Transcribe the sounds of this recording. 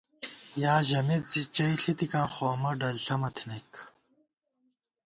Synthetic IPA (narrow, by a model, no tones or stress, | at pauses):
jaːʑɐmizit͡ɕɐjɬit̪ikãːxoːmɐɖɐlɬɐmɐt̪ʰinek